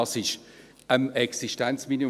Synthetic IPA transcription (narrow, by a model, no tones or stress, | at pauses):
ɑsɪʃ | əmɛksiʃtɛnt͡smini